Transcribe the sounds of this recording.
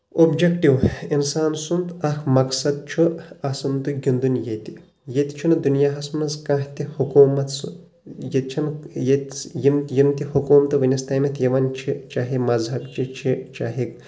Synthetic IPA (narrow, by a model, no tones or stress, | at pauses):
obd͡ʒekʈiwinsaːnsunt̪ɐkʰmɐksɐd̪̚t͡ʃʰuɐsɨmt̪ɨɡʲind̪unjet̪i | jet̪ʲt͡ʃʰund̪unjaːɦɐsmnɐskɐ̃ɦt̪ihukuːmɐt̪s | jet̪t͡ʃʰɐnjet̪jimjimt̪ihukuːmt̪ɨʋɐnʲɐst̪aːmʲɐt̪ʰjɐʋɐnt͡ʃʰit͡ʃaːɦimɐzɦɐbt͡ʃit͡ʃʰit͡ʃaːɦik̚